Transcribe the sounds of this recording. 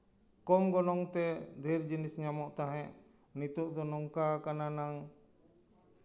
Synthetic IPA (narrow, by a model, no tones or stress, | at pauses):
kɔmɡɔnɔŋt̪ɛd̪ʱiɾd͡ʒinisɲamɔʔt̪aɦɛ̃ʔ | nit̪ɔʔd̪ɔnɔŋkakananaŋ